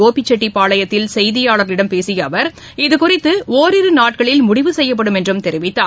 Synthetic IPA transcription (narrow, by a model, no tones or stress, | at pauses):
oːpːɪt͡ʃːɐʈːipaːɭɐjɐt̪ːɪlsɛjðɪjaːɭɐɾlɪɽɐmpeːsɪjɐːʋɐɾ | ɪðɯkʊrɪt̪ːɯoːɾɪɾɯnaːʈ̚kɐɭɪlmʊɽɪʋɯsɛjːɐp̬ːɐɽɯmɛndrɯmt̪ɛɾɪʋɪt̪ːaː